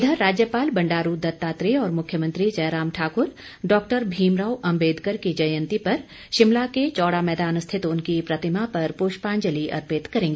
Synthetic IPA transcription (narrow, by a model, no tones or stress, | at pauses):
d̪ʱəɾaːd͡ʒjəpaːlbɐ̃ɳɖaːɾud̪ɐt̪ːaːt̪ɾeɔːɾmʊkʰjəmə̃nt̪ɾid͡ʒɐːɾaːmʈʰaːkʊɾ | ɖɔːk̚ʈəɾbʱiːmɾaːwʔɐ̃mbeːd̪kəɾkid͡ʒɐjə̃nt̪ipɐɾ | ʃɪmlaket͡ʃɔːɽamɛːd̪aːnʊst̪ʰɪt̪ʊnkipɾɐt̪ɪmapɐɾpoːʃpãːnd͡ʒəliʔɐ̰ɾpɪt̪kɐɾẽːŋɡeː